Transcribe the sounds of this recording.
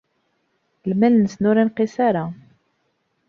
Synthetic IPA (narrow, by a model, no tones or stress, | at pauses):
lmælnəsnʊɾinqisaɾa